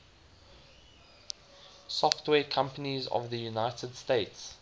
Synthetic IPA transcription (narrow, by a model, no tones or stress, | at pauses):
sɔftwɛːkʰãmpənizɔ̰vðəjunaɪtʰədsteɪts